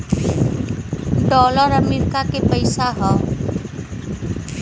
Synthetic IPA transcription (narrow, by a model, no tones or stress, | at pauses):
ɖɔːləɾəmiɾkakepəɪsaɦɔ